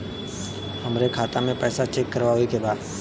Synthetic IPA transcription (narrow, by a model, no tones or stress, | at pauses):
həmɾekʰaːt̪amẽpɛːsat͡ʃeːkːəɾʋaɦʊekebaːd̪